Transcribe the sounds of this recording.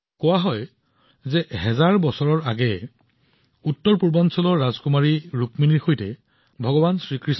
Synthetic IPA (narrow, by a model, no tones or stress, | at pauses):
kɔwaɦɔj | zɛɦɛzaɹbɔsɔɹɔɹaɡɛ | utːɔɹpuɹbɔnsɔlɔɹːazkumaɹiɹukminiɹxojtɛ | bʱɔɡɔbansɹikɹis